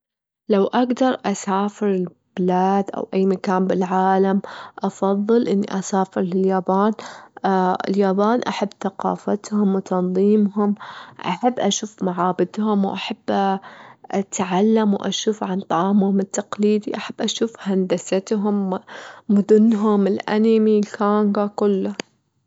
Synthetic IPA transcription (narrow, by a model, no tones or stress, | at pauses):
lawʔaɡd̪ɑɾˤʔasaːfɪɾɪl | b̥ɪlaːd̪ʔa̰wʔajːmakaːnbɪlʕaːlamʔɑfɑðˤːɨlʔɪnːḭʔasaːfɪɾlɪljaːbaːn | ɪ̰ljaːbaːnʔaħabːθaqɑ̰ːfat̪hʊmwt̪ɑnðˤiːmɦʊmʔa̰ħabːʔaʃuːfmaʕaːbɪd̪hʊmwʔaħabː | ʔat̪ʕalːamwʔa̰ʃuːfʕant̪ˤɑʕɑːmhʊmɪt̪ːaqliːd̪iʔaħab̥ːʔaʃuːfhand̪asat̪ɦʊmmʊd̪ʊnːɦʊmɪlʔa̰namilkaːŋɡakʊlːa